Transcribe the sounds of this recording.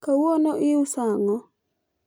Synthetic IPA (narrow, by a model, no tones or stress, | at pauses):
kawonoʔɪʊsaŋɔ